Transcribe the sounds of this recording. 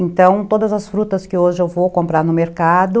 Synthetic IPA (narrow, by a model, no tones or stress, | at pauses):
ẽnt̪ɐ̃w̃t̪od̪ɐzɐsfɾut̪ɐskɪoʒɪewvokõmpɾaɾnʊmeɾkad̪ʊ